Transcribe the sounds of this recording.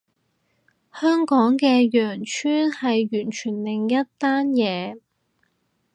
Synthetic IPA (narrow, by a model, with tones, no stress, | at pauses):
hœː˥ŋkɔː˨˥ŋkɛː˧jœː˨˩ŋt͡ʃʰyː˥nhɐ˨jɥyː˨˩nt͡ʃʰyː˨˩nlɪ˨ŋjɐ˥tt̪aː˥njɛː˨˧